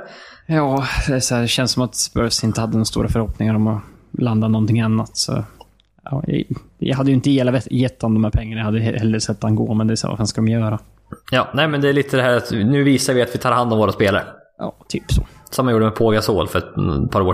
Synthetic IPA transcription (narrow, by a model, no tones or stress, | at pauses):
jɑːd̪ɛsæːɖɛɕɛnsːɔmat̪sbœ̰ɾsɪnt̪əhad̪ːənɔɾast̪ṵːɾafœɾhɔpnɪŋaɾɔmɔland̪anɔnt̪ɪŋanːat̪sɔ̰ | ɑ̰ːjɑ̰jɑ̰ɦad̪ːəjɵɪnt̪əjeːlavɛjɛt̪ʰːand̪ɔmhæːɾpʰɛŋːanɳajahad̪ːəjhɛlːəɾsɛt̪ːanɡo̰ːmɛnd̪ɛːsæ̰ːva̰fanskad̪ɔmjœːɾa | jɑːnɛɪmɛnd̪ɛːɭiːt̪ʰəd̪ɛhæːɾat̪nʉ̟ːviːsaɾvɪat̪vɪt̪ʰɑːɾhand̪ɔmvoːɾaspeːla̰ɾ | jɑ̰ːt̪ʰyːpsɔ̰sɔmːanjuːɖəmɛpʰoːɡasoːlfœɾɛt̪pʰɑːɾoː